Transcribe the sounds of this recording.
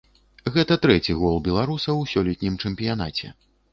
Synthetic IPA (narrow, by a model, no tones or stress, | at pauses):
ɣɛt̪ɐt̪ɾɛt͡sʲiɣɔlˠbʲɛlˠaɾusɐwsʲɔlʲɛt̪ʲnʲimt͡ʂɛmpʲijan̪at͡sʲɛ̰